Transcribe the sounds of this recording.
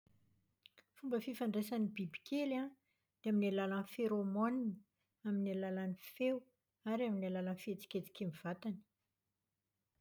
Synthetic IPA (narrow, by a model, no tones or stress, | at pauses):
fumbəfifaɳɖ͡ʐesanibibikʲʰela | d̪̥eaminalalanfeɾomonini | aminalalanifew | aɾaminalalanfet͡si̥kʲet͡si̥kʲemiv̥at̪ani̥